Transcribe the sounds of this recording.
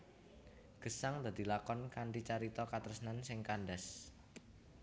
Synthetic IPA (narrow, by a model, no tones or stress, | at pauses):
ɡ̥ə̤saŋd̪a̤d̪̥i̤lakɔnkaɳʈit͡ʃaɾit̪ɔkat̪əɾsnansɪŋkanɖɛs